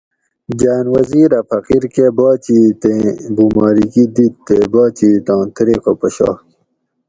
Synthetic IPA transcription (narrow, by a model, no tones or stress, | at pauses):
d͡ʑaːnwɐziːɾɐfʰɐqiɾkebaːt͡ɕit̪ẽbumɑːɾikid̪it̪ːebaːt͡ɕit̪ɑ̃ːt̪ɾeːkopɐɕɑ̰ː